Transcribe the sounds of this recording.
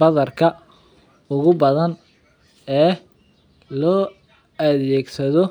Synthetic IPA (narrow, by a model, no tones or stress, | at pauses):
bɐðɐrkʰɐ | ʊɣʊbɐðɐn | ɛː | lɔː | ɐðɛːɡsɐðɔ